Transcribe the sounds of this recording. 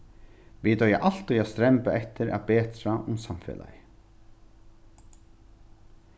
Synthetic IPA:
vit̪œja̰ʔal̥t̪ɔjast̪ɾɛmpaʔɛht̪ɪɾa̰ðpɛːt̪ɾaʔʊmsamfɛ̰ːla̰jɪ

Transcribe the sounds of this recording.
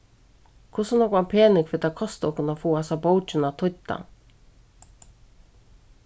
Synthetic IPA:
kʰʊsʊnɔkanpʰeːnɪkfɪt̪ʰakʰɔst̪ɔhkʊnafuːasabowt͡ʃɪnat̪ʰʊt̪ːa̰

